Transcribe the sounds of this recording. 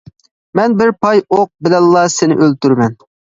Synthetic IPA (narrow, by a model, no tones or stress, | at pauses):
mɛnbɪɾpʰɑjoq̚bɪlɛlːɑsɪnɪ̰ʔølt̪yɾmɛn